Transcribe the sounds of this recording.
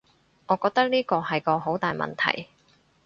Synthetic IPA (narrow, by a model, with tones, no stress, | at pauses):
ŋɔː˨˧kɔː˧k̚t̪ɐ˥k̚niː˥kɔː˧hɐ˨jkɔː˧ɦo˨˥wt̪aː˨jmɐ̰˨nt̪ʰɐ̰˨˩j